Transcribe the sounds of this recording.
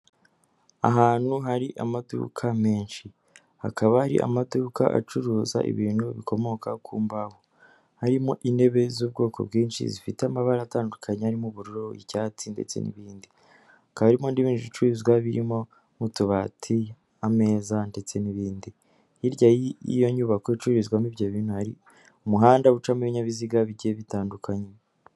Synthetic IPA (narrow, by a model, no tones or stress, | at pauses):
a̰ɦaːn̥huɦaɾiʔamadṵkʰame̞ːnʃi | hakʰaβahaɾḭʔa̰maduka̰ʔa̰t͡ʃuɾuːza̰ʔḭβiːn̥huβikʰo̞mo̞kakʰuːmbaho | haɾimo̞ʔine̞βe̞zuːb̚ɡo̞ːko̞̰bɡiːnʃḭzifiteamaβaɾaːtaːndukʰaɲehaɾimuβuɾuɾoḭcaːt͡sinde̞̰t͡se̞̰nḭβiːndi | kaaɾimo̞ndiβiːnuβit͡ʃuizɡwaβiɾimo̞ | mutuβatʰi | ame̞ːzande̞t͡se̞niβiːndi | iɾɟajiḭjo̞ɲuβakoit͡ʃuɾizɡwamivjoβiːnhuhaɾḭ | umuɦaːndaβut͡ʃamuβiɲaβiziɡaβiɟieβitaːndukʰaɲe